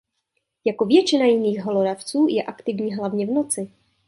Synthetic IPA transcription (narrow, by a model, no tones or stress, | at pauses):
jakovjɛt͡ʃɪnajɪniːɣɦoloɾaft͡suːjɛʔakt̪ɪvɲiːɦlavɲɛvno̞t͡sɪ